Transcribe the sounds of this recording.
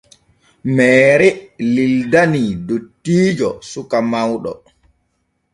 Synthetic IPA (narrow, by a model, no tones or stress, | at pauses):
mɛːɾɛlildanidotːiːd͡ʒɔ̰sukamawɗɔ̰